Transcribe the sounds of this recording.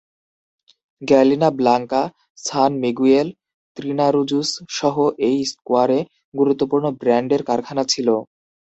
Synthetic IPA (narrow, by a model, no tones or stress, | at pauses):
ɡɛlinablaŋka | sʰanmiɡuel | t̪ɾinaɾud͡ʑusʃɔɦoʔejskuaɾe | ɡuɾut̪ːopuɾnobɾɛɳɖeɾkaɾkʰanat͡ɕʰilo